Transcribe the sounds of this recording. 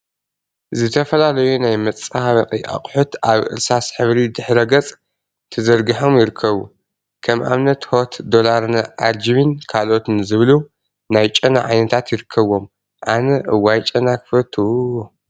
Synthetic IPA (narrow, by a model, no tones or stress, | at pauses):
zɨt̪ʰɐfɐlalɐjunajmɐt͡sʼahaβɐqʼiʔa̰χʼħut̪aβʔɨ̰ɾsasħɨβɾid̪ɨħɾɐɡɐt͡sʼ | t̪ʰɨzɐɾɡɨħo̞mjɪɾɨkʰːɐβu | kʰɐmʔa̰mnɐt̪hot̪d̪o̞laɾnʔaɾd͡ʒiβinkʰalo̞t̪ɨnzɨβɨlu | najt͡ʃʼɐna̰ʕajnɐt̪ʰat̪jɪɾɨkʰːɐβo̞m | ʔanɐʔɨwajt͡ʃʼɐnakʰɨ̥fɐt̪ʰːu